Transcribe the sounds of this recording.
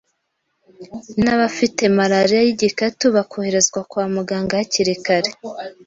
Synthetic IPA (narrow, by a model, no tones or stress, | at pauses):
naβafite̞maɾaɾijajiɟikatuβakʰo̞he̞ɾe̞zɡwakwaːmuɡaːŋɡaaciɾikaɾe